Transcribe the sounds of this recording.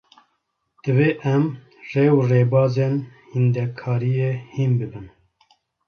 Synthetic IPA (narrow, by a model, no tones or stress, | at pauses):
d̪̥ɨveːʔɛm | reːwreːbɑːzeːnhind̪ɛkʰɑːɾijeːhiːnbɨbɨn